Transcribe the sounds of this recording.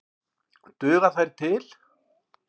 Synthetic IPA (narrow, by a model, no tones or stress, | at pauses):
t̪ʏːɣaθajɾt̪ʰɪl